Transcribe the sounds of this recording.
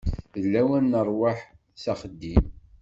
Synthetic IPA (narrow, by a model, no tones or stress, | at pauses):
ðəlːæwænːərˤwaħ | sæχəd̪ːim